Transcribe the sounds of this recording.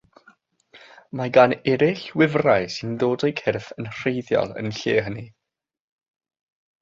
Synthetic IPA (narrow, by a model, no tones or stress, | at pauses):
maɡanɛɾɪɬwɪvrajsɪnðoːdəjkʰɛrθənr̥ejðjɔ̰lˠə̰nɬeːɦəni